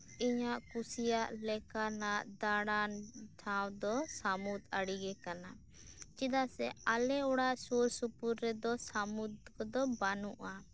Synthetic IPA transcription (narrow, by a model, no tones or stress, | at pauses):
iɲaʔkusijaʔlɛkanaʔd̪aɽanʈʰawd̪ɔsamut̪aɽiɡɛkana | t͡ʃid̪asɛalɛuɽaʔsuɾsupuɾːɛd̪ɔsamut̪̚kɔd̪ɔbanuʔa